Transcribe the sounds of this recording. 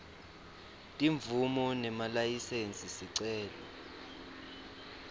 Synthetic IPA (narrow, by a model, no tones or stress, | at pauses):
tʼiɱvumɔnɛmalajisent͡sʼisiǀɛːlɔ̰